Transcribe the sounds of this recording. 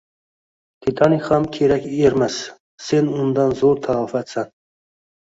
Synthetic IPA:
t̪ʰit̪ʰɑniχɑmkʲʰeɾækʲeɾmæs | senund̪ɑnzoɾt̪ʰɑfæt̪sæn

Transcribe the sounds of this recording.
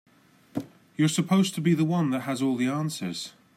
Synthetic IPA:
jəsəpʰoʊztʰəbiðəwʌ̃nðəʔɦəzɔːlˠðiɑ̃ˑnsə̰z̥

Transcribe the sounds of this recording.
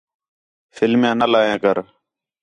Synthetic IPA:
fɪlmjãːnalaːjãːkəɾ

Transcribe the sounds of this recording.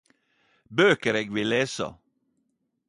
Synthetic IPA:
bøːkəɾeːɡʋɪleːsə̰

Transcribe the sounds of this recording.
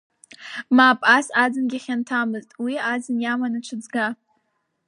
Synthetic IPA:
maːpʼasad͡zɨnɡʲaχʲantʰamɨztʼwiad͡zɨnjamanaʈ͡ʂʷʰɨd͡zɡa

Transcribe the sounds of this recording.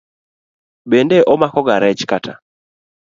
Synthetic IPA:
ɓɛndɛʔɔmakɔɡaɾɛt͡ʃkatʰa̰

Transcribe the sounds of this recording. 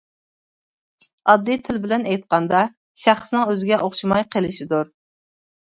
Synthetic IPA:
ɑd̪ːit̪ʰɪlbɪlɛnɛjt̪̚qɑnd̪ɑ | ʃæχsnɨŋøzɪɡʲɛʔoχʃimɑjqʰəlɪʃid̪uɾ

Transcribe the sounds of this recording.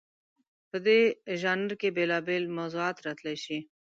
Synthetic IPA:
pəd̪eʒɑːnəɾkebelɑbelmawzuɑːt̪ɾat̪laʃi

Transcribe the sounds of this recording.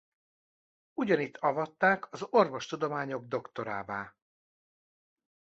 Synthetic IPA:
uɟɒnit̪ʰːɒvɒt̪ːaːkʰɒzo̞rvo̞ʃt̪ud̪o̞maːɲo̞ɡ̚d̪o̞kt̪o̞ɾaːbaː

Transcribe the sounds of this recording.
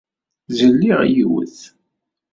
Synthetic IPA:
zənːiʁjiwə̰θ

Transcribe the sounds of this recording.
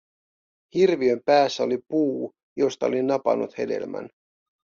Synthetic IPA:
hirʋiø̞mpæːsːæo̞lipuː | jo̞st̪ɑo̞linɑpɑ̰nːut̪he̞̰de̞̰lmæ̰n

